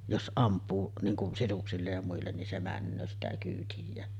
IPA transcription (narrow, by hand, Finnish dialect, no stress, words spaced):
jos ʔɑmpˑuː niːŋ kun sisuksilːej jɑ muilːen nin se mænːøː sitæ kyːtijˑæːn